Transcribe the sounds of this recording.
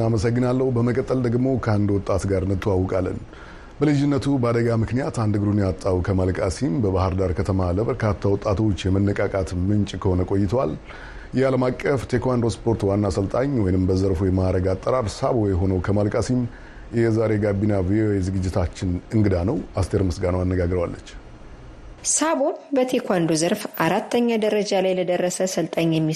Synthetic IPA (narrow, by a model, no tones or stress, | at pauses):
aməsəɡːɨnalːəhubəməkʼət̪ʼːəld̪əɡmo̞kʰəand̪wɔt̪ʼːat̪ɡaɾɨnːɨt̪ʰːəwawːɔkʼalːə̰n | bəlɨd͡ʒɪnːət̪ʰubəad̪əɡamɨknijat̪and̪ɨɡɨɾunjat̪ʼːawkʰəmalkʼasimbəbahɨɾd̪aɾkʰət̪ʰəmaləbəɾkʰat̪ʰːawɔt̪ʼat̪ʰo̞t͡ʃːjɛmənːɨkʼakʼat̪mɨnt͡ʃʼkʰəho̞nəkʼo̞jːɪt̪ʰəwal | jɛaləmakʼːəft̪ʰe̞kʰʷand̪ospʰo̞ɾt̪wanːasəlt̪ʼaɲwɔjnɨmbəzəɾfujɛmaɾəɡat̪ʼːəɾaɾsabojɛɦo̞nəwkʰəmalkʼasim | jɛzaɾe̞ɡabːinavioe̞zɨɡɨd͡ʒːɪt̪ʰat͡ʃːɪnɨŋɡɨd̪anəwast̪ʰe̞ɾmɨsɡanəwanːəɡaɡɾəwalːət͡ʃː | sabobət̪ʰekʰʷandozəɾfaɾat̪ːəɲːad̪əɾəd͡ʒalajləd̪ərːəsəsəlt̪ʼaɲːjɛmːi